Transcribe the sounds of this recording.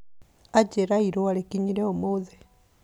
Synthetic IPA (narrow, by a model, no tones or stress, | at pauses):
ad͡ʒeɾaiɾoaɾekiɲiɾɛomoðe